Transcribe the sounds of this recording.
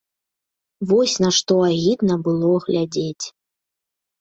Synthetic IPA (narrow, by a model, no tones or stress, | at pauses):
vɔsʲnɐʂt̪ɔaɣʲid̪nɐbɨlˠɔɣlʲad͡zʲet͡sʲ